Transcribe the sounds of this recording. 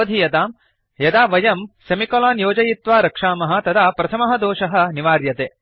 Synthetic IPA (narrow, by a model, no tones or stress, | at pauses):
ɐd̪ʱijɐd̪aːm | jɐd̪aːʋɐjɐmsɐmikɐlaːnjoːd͡ʒɐjit̪ʋaːɾɐkʂaːmɐɦɐ̆t̪ɐd̪aːpɾɐt̪ʰɐmɐɦɐ̆d̪oːʃɐɦɐ̆niʋaːɾjɐt̪eː